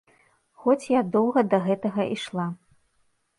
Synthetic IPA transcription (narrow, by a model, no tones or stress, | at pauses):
xɔt͡sʲjad̪ɔwɣɐd̪ɐɣɛt̪ɐɣɐʔiʂlˠa